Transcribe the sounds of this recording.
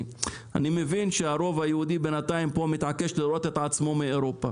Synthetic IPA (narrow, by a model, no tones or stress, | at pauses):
a̰nimevinʃeaɾo̞vajehud̪ibenat̪aimpo̞mit̪ʕake̞ʃliɾo̞t̪e̞t̪ʕat͡smo̞meeɾopa̰